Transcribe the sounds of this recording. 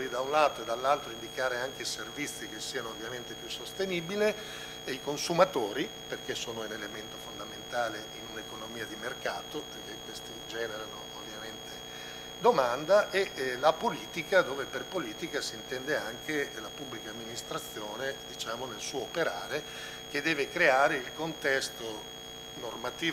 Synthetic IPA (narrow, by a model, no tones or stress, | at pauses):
ɾid̪aunlaːt̪oed̪alːalt̪ɾoind̪ikaːɾeaŋkeiservit̪sːikesːiːanoːvːjament̪epjusːost̪enibile | eikonsumat̪oːɾi | perkesoːnounelement̪ofond̪ament̪aːleʔinunekonomiːad̪imerkaːt̪operk̟ekːwest̪id͡ʒɛːneɾano̰ovːjament̪ʰe | d̪omand̪aʔelapoliːt̪ikad̪oːveperpoliːt̪ikasiːnt̪ɛnd̪eaŋkelapubːlikaːmːinist̪ɾat̪sːjoːned̪it͡ʃaːmonelsuːoːpeɾaːɾe | ked̪ɛːvekɾeaːɾeilkont̪ɛst̪o | normat̪iː